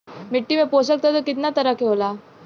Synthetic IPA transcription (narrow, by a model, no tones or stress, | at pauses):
mɪʈːimẽpoːs̬ək̚t̪ʰot̪okɪt̪nat̪ɐɾəkeɦoːlaː